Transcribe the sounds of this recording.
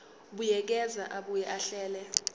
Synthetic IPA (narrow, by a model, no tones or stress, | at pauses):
ɓujɛk̬ɛzaʔaɓujɛʔaɬɛːlɛ